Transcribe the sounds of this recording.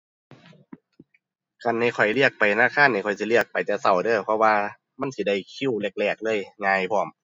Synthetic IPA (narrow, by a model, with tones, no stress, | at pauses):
ka˧˨nːa˧˩jkʰɔ˨˩jli˧˩ək̚pa˨jnaː˧˥˨kʰaː˧˥˨nːa˧˩kʰɔ˨˩jsi˧˦li˧˩ək̚pa˨˩jt͡ɕa˧˩sa˧˩wdɤː˧˩pʰɔ˧waː˧ | ma˧˥˨nsi˧˩da˧˩˨jkʰi˧˥˨wle˧˩k̚lɛː˧˩k̚lɤː˧˥˨jŋaː˧jpʰɔː˧˩˦m